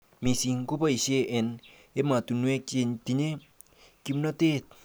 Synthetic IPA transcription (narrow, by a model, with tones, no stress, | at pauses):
mi˨si˨ŋko˦pa˦i˨se˦ʔe˨n | e˦ma˨tu˨nwe˦k̚t͡ʃe˧ti˨ɲe˦ | ki˧mnɔ˦te˦t̚